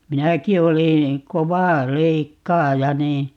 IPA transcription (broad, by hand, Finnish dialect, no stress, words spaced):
minæki olĩː koʋɑ leikːɑːjɑ niː